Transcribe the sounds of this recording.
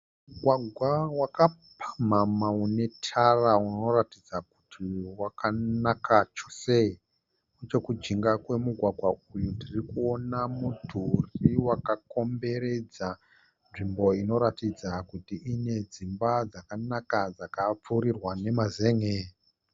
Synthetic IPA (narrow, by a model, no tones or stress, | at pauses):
muɡʱwaɡʱwawakapʰḁmamaune̞tʰarauno̞ratid͡zaku̥tʰiwakʰanakʰat͡ʃo̥se | et͡ʃe̞kud͡ʒiŋɡakwe̞muɡʱwaɡʱwaujutirikuo̞namudʱuriwakako̞mbe̞ɾe̞d͡za | nʐimbo̞ino̞ɾatid͡zakutiʔine̞d͡zimbad͡zakanakad͡zakap͡fuːɾirwane̞mazeŋe